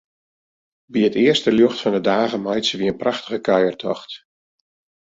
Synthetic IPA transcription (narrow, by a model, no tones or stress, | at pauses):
biətɪərstəljoxtfɔndədaːɣəmajtsəʋiənpraxtəɣəkʰajərtʰɔxt